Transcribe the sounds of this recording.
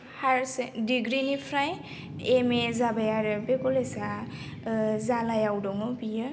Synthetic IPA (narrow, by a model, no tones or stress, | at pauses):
haɹsediɡɾinipʰɾaj | emezabajaɾɯbekɔlesa | zalajawdɔŋɔpijɯ